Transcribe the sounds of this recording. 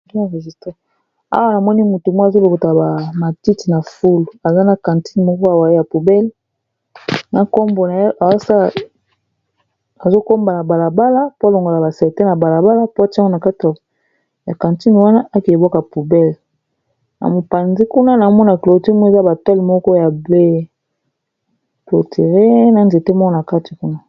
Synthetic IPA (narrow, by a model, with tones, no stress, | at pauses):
a˨ʁe˨zi˨stã˦ | a̰˦wa˦na˨mɔ˦ni˦mu˨tu˨mwzo˦lo˨ko˨ta˨ba˨ma˨ti˦ti˨na˨fu˦lu˨a˨za˦na˨kã˨nti̥˦n˨mɔ˦kɔ˦a˨wa˨i˦ja˨pu˨bɛ˦l | na˨ko˦mbo˨na˨˦ʔa˨a˦sa˦ | a˨zo˦ko˦mba˨na˨ba˨la˨ba˦la˦po˦a˦lo˨ŋɡo˨la˨ba˨sɛ˨te˦na˨ba˨la˨ba˦la˦po˦a˨ti˦o˦na˨ka˦ti˨ | ja˨ka˨nti˦n˨wa˦na˦ʔa˦ki˨e˨bo˦kpu˨bɛ˦l | na̰˨mo˨pa˨nzi˦ku˦na˦na˨˦mɔ˦na˨klo˨ti˦mɔ˦e˨za˦ba˨ta˦li˨mɔ˦kɔ˦ja˨ble˦ | plo˨tʰe˨ʁe˦na˦nde˨te˦mɔ˦kɔ˦na˨ka˦ti̥˨ku˦na˦